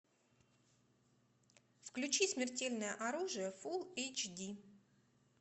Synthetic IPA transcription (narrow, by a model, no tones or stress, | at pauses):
fklʲʉt͡ɕismʲɪrtʲelʲnəjəʔɐɾuʐɨjəfulˠejt͡ɕdʲi